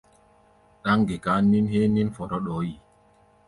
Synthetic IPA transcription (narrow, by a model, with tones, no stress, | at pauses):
ɗa˦ŋɡe˨ka˦ni˦nhe˦ni˦nfɔ˨ɾɔ˦ɗɔː˨˦ji˨